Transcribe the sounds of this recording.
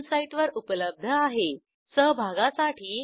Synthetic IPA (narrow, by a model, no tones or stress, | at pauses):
nsaiʈʋəɾupələb̚d̪ʱəaɦe | səɦbʱaɡasaʈʰiː